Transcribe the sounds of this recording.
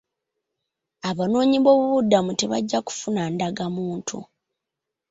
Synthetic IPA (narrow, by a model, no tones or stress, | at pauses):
aβano̞ːɲiβo̞ːβuβudːamute̞βa̰ɟːaku̥funandaɡamuːntʰṵ